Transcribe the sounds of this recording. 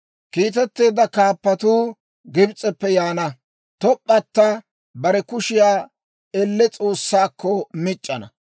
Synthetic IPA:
kiːt̪̬ɛt̪ːe̞ːd̪ɐkaːpːɐt̪uː | ɡɪbt͡sʼːɛpːɛjaːnɐ | t̪ɔpʼːɐt̪ːɐ | bɐɾɛkʊʃɪjaː | ɛlːɛt͡sʼo̞ːsːaːkːɔmɪt͡ʃʼːɐnɐ̰

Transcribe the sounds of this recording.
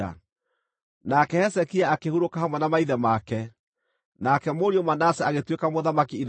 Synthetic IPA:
a̰ | nakɛhɛsɛkiaːkehuɾokahamwɛnamaiðɛmakɛ | nakɛmoɾiomanasɛaɣetwekamoðamakiːn

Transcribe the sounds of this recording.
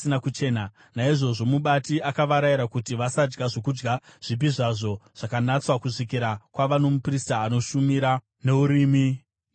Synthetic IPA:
inakut͡ʃe̞ːna | naiʐo̞ʐo̞muɓatiakaʋaɾajiɾakutiʋasad͡ʒɡaʐo̞kud͡ʒɡaʐ̥ip̬iʐaʐo̞ʐ̥akanat͡swakuʐikiɾakwaʋano̞mupristaːno̞ʃumiɾa | ne̞uɾiːmi

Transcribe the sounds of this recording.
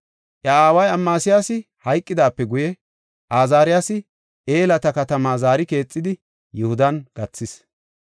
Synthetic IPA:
ʔɐaːwɐjɐmːaːsɪjasɪ | hɐjkʼːɪd̪aːpːɛɡʊjɛ | ʔaːzaːɾɪjasɪ | ʔe̞ːlɐt̪ɐkɐt̪ɐmaːzaːɾɪke̞ːt͡sʼːɪd̪ɪ | jɛhʊd̪ɐnɡ̥ɐt͡sːɪs

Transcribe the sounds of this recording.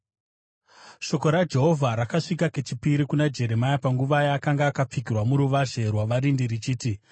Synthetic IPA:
ʃo̞ko̞ɾad͡ʒe̞ɦo̞vʱaɾakaʂikake̞t͡ʃipiɾikunad͡ʒe̞ɾe̞majapaŋɡuʋajaːkaŋɡaːkap͡fikirwamuɾuʋaʐe̞rwaʋaɾindirit͡ʃiːti

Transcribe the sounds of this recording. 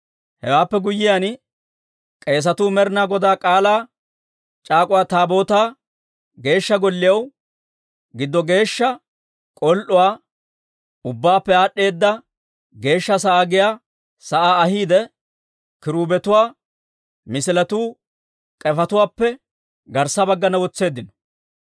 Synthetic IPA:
hɛ̰waːpːɛɡʊjɪjan | kʼe̞ːs̬ɐt̪uːmɛɾɪnaːɡɔd̪aːkʼaːlaː | t͡ʃʼaːkʼʊwaːt̪aːbo̞ːt̪aː | ɡe̞ːʃːɐɡɔlːɪjɐw | ɡɪd̪ːɔɡe̞ːʃːɐ | kʼɔlʔʊwaː | ʊbːaːpːɛaːɗːe̞ːd̪ːɐ | ɡe̞ːʃːɐsɐʔaːɡɪjaː | sɐʔaːɐhiːd̪ɛ | kɪɾuːbɛt̪ʊwaː | mɪsɪlɐt̪uː | kʼɛfɐt̪ʊwaːpːɛ | ɡɐɾsːɐbɐɡːɐnɐwɔt͡sːe̞ːd̪ːɪnɔ̥

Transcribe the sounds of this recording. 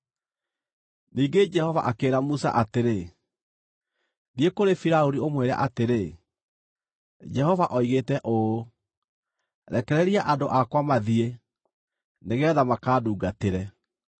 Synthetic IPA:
niːɡed͡ʒɛhɔva̰ʔakeːɾamusa̰ʔateɾe | niekoɾefiɾaoɾiomweɾa̰ʔateɾe | d͡ʒɛhɔvaʔɔiɣeːtɛʔo | ɾɛkɛɾɛɾiaʔadoʔakwamaðie | neɣɛːðamakaːduːɡateɾɛ

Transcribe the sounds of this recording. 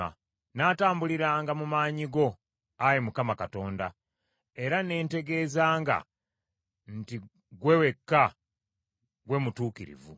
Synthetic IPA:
a̰ | naːtaːmbuliɾaːŋɡamumaːɲiɡo̞ | ajemukamakato̞ːnda | e̞ɾane̞ːnte̞ɡe̞ːzaːŋɡa̰ | nti | ɡwe̞we̞kːa | ɡwe̞mutuːkiɾḭvṵ

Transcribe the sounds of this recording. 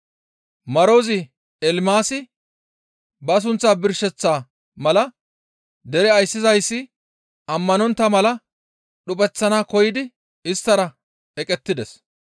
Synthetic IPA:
mɐɾoːzɪ | ɛlmaːsɪ | bɐs̬ʊnt͡sːaːbɪɾʃːɛt͡sːaː | mɐlɐ | d̪ɛɾɛɐjsːɪzɐjsːɪ | ɐmːɐnɔnt̪ːɐmɐlɐ | ɗʊpʼɛt͡sːɐnaːkɔjɪd̪ɪ | ɪst̪ːɐɾɐ | ɛkʼɛt̪ːɪd̪ɛs

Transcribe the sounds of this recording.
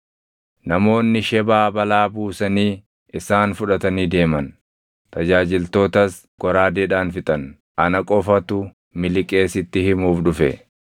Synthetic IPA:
nɐmo̞ːnːɪʃɛbaːbɐlaːbuːsɐniː | ɪsaːnfʊᶑɐt̪ɐniːd̪e̞ːmɐn | t̪ɐd͡ʒaːd͡ʒɪlt̪o̞ːt̪ɐs | ɡ̥ɔɾaːd̪ɛᶑaːnfɪt̪ʼɐn | ʔɐnɐkʼɔfɐt̪ʊ | mɪlɪkʼe̞ːsɪt̪ːɪhɪmuːfᶑʊfɛ̰

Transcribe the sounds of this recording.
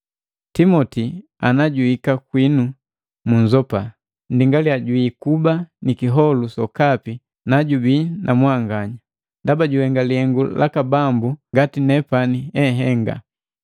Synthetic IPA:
timɔti | anaɟuikakwinu | muɲzɔpa | ndiŋɡaliaɟwiːkubanikiɦɔlusɔkapi | naɟubinʔamwaŋɡaɲa | ndabaɟuhɛŋɡalihɛŋɡulʔa̰kabambuŋɡatinɛpaniɛɦɛŋɡa̰

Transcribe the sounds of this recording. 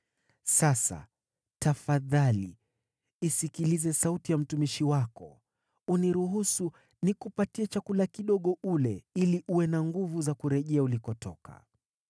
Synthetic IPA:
sasa̰ | tafaðalḭ | isikilizɛsautijam̩tumiʃiwakɔ | uniɾuɦusu | nikupatiɛt͡ʃakulakiɗɔɠɔʔulɛiliʔuwɛnaŋɡuvuzakuɾɛʄɛaulikɔtʰɔ̰ka̰

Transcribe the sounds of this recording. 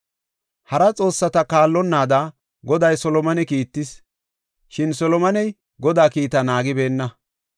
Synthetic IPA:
hɐɾɐt͡sʼo̞ːsːɐt̪ɐkaːlːɔnːaːd̪ɐ | ɡɔd̪ɐjsɔlɔmɐnɛkiːt̪ːɪs | ʃɪnsɔlɔmɐnɛj | ɡɔd̪aːkiːt̪ɐnaːɡɪbe̞ːnːɐ

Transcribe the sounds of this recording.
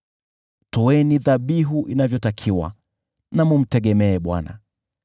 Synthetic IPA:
tɔwɛniðaɓiɦuʔinavjɔtakʰiwa̰ | namum̩tɛɠɛmɛːɓwa̰na̰

